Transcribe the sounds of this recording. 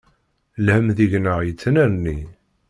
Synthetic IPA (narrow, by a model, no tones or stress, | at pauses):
lhəmðiʝnəʁjət͡sːnæɾnːi